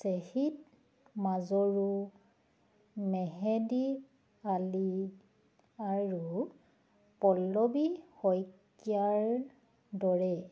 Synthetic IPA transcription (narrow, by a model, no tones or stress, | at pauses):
sehit̚ | mazɔɹu | mɛɦɛdi | ali | aɹu | pɔlːɔbihɔjkː | iaɹ | dɔɹɛ